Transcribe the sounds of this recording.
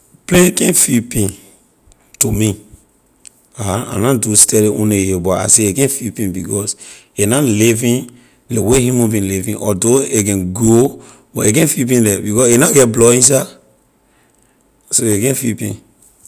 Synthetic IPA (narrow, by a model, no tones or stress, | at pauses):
pleɡɛ̃nfipĩn | tumi | aaã̰nãdustɛliõneebɔta̰seekɛ̃nfipĩnbikɔs | enalivĩn | lewehĩmõbĩnlivĩnʔɔdoekɛ̃nɡo | bɔeɡɛ̃nfip̬ĩnlɛbikɔsenaɡɛt̚blɔĩs̬a | soeɡɛ̃nfipḭ̃n